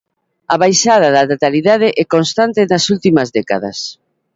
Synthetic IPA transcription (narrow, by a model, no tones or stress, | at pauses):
aβajʃað̞ɐðɐnat̪aliðað̞ɪʔɛkonst̪ant̪ɪnɐsult̪imɐzðɛkaðɐ̰s